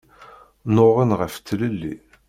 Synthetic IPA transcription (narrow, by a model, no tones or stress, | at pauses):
noʁənʁəft̪ːləlːḭ